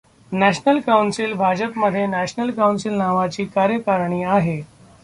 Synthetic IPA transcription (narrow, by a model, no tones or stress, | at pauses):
næɕnəlkawnsilbʱad͡ʑəpməd̪ʱːjenæɕnəlkawnsilnaʋat͡ɕiːkaɾjəkaɾɳiːaɦe